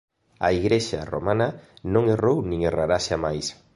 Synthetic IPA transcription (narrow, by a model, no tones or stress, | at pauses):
aiɣɾeʃa̰ro̰mãnanõŋerownĩŋeraɾaʃamajs